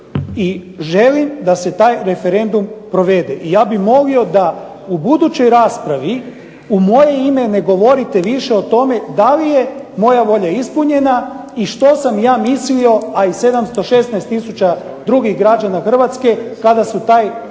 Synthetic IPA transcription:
i | ʒe̞limd̪ase̞t̪aːjɾe̞fe̞ɾe̞nd̪umpɾo̞ʋe̞d̪e̞ʔijaːbixmo̞lio̞d̪a | ubud̪ut͡ɕo̞jɾaːspɾaʋi | umo̞je̞ime̞ne̞ɡo̞ʋo̞ɾit̪e̞ʋiʃe̞ot̪o̞me̞d̪alije̞mo̞jaʋo̞ʎaispuɲe̞naiʃt̪o̞samjaːmislio̞aise̞d̪amst̪o̞ʃe̞snajst̪ːisut͡ɕa | d̪ɾuɡiɣɡɾad͡ʒanaxr̩ʋat̪ske̞kad̪asut̪aːj

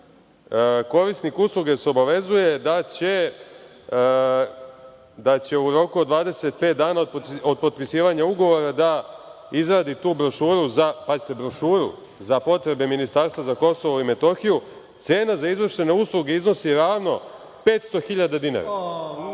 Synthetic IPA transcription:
ko̞ɾisnikuslˠuɡeseo̞baʋe̞zuje̞d̪at͡ɕe | d̪at͡ɕe̞uɾo̞kuod̪ʋaːd̪e̞se̞t̪̚pet̪̚d̪aːnaod̪od̪̚po̞d̪̚pisiːʋaɲauɡo̞ʋo̞ɾad̪a | izɾaːd̪it̪uːbɾo̞ʃuːɾuzapazit̪e̞bɾo̞ʃuːɾṵ | zapo̞t̪ɾe̞be̞minist̪aːɾst̪ʋazako̞so̞ʋoime̞t̪o̞xiju | t̪se̞ːnazaizʋr̩ʂe̞ne̞uslˠuɡe̞izno̞siɾaːʋno̞ | pe̞ːt̪st̪o̞xiʎad̪ad̪ina̰ɾa̰

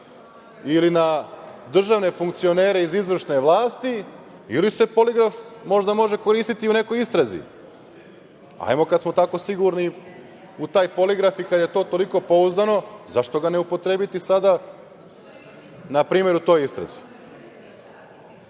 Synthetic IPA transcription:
ilinad̪r̩ʒaʋne̞fuŋk̚t̪sio̞neːɾe̞izizʋr̩ʃne̞ʋlˠaːst̪i | ilise̞poliɡɾafmo̞ʒd̪amo̞ʒe̞ko̞ɾiːst̪it̪iune̞ko̞jist̪ɾazḭ | a̰jmo̞kad̪smo̞t̪ako̞siɡuɾni | ut̪aːjpo̞liɡɾafikad̪je̞t̪o̞ːt̪o̞liko̞po̞uzd̪ano̞zaʃt̪o̞ɡaneupo̞t̪ɾebit̪isad̪a | napɾiːme̞ɾut̪o̞ːjist̪ɾa̰zi̥

